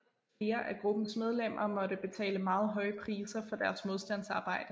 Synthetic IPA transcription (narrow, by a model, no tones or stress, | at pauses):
fle̝ːɐʔæɡ̥ʁub̥n̩smeð̞ˠlem̰ʔɐmɒ̽ɾəb̥e̝t͡sʰɛ̰ːləmɑ̈ːð̞̩ˠɦɒ̽ɪəpʰʁiːsɐfɒ̽d̥æɐsmo̝ð̞ˠsd̥æn̰sɑ̈ːb̥ɑ̈ɪ̰d̥ə